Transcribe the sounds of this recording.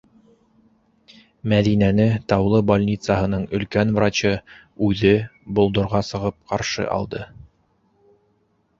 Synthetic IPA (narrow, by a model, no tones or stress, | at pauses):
mæðinænɘt̪ɑwlˠɤbolʲnʲit̪saɦɤ̆nɤɴɵ̆lkænvrat͡ɕɤ | ʉðɘbŏlˠd̪ŏɾʁɑsɤ̆ʁɤp̚qɑɾʃɤ̰ʔɑ̰lˠd̪ɤ